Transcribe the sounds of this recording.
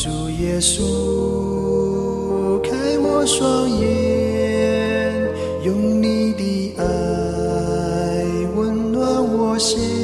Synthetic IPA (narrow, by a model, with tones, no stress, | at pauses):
zu˨˩jɛ˧˩su˦ | kʰa˦˥jwɔ˧swa˧˥ŋjɛ˧ | n | jʊ˨˧˥ŋni˧d̪i˧˩ʔa˧ | j | wə˧˥nlwa˧˥wɔ˧si˦˥